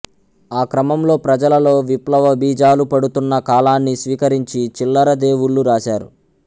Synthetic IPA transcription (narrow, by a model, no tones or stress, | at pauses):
aːkɾɐmɐmlo̞ːpɾɐd͡ʒɐlɐlo̞ːʋiplɐʋɐbiːd͡ʒaːlupɐɽut̪unːɐkaːlaːnːisʋiːkɐɾiɲt͡ʃit͡ʃilːɐɾɐd̪e̞ːwuɭːuɾaːʃaːɾṵ